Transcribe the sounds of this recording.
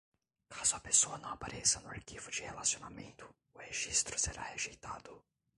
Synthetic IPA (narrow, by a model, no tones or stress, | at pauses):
kʰazʊɐpesoɐnɐ̃w̃apaɾʔesɐnʊaɾkivʊd͡ʒɪhelasionamẽnt̪ʊ | ʊheʒist̪ɾʊseɾʔa̰heʒejt̪ad̪ʊ